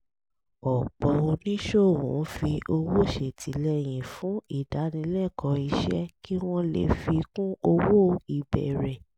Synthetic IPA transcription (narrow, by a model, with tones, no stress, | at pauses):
ɔ˨k͡pɔ˧o˧nĩ˦ʃo˦˨wṵ̃˨˦fi˧ʔo˧wo˦˨ʃe˨tʰi˨˦lɛ˦˨j̃ĩ˨fũ˨˦i˦˨da˨˦nĩ˧˦lɛ˦˨kʰɔ˨˧i˧ʃɛ̰˦ki˦w̃ɔ̃˦lḛ˨fi˧kũ˦o˧wo˦i˨bɛ̰˨ɾɛ˨